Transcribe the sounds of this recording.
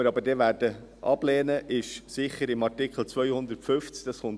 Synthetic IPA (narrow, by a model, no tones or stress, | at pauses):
əɾɑbədɛːʋæːɾd̥ə | ʔɑ̰b̥lɛːnəʔɪʃsɪχəɾɪmɑtɪkχl̩t͡sʋœjhʊnd̪əɾtfʏft͡sk̚d̥ɑsχʊn